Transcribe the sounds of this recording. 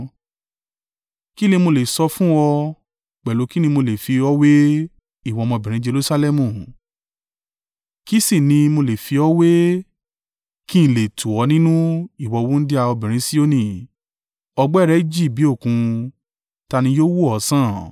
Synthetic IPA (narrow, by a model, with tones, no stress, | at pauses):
ki˦lĩ˧mo˧le˨sɔ˧fũ˦ɔ˧ | k͡pɛ˨lo˨˦ki˦nĩ˧mo˧le˨fi˧ɔ˦we˦ | i˦˨wɔ˧mɔ̃˧bĩ˨ɾ̃ĩ˨˦d͡ʒe˧lu˧sa˧lɛ˦mũ˨ | ki˦si˦˨nĩ˧mo˧le˨fi˧ɔ˦we˦ | ki˦n̩˨le˨tʰu˨ɔ˧nĩ˦nũ˦i˦˨wɔ˧wu˦n̩˦di˦a˧ɔ˧bĩ˨ɾ̃ĩ˨˦si˦o˦nĩ˦˨ | ɔ˧ɡ͡bɔ˦˨ɾɛ˨˦i˦d͡ʒi˦˨bi˨˦o˦˨kũ˧ | ta˧nĩ˧joː˦wu˦ɔ˨˦sã˦˨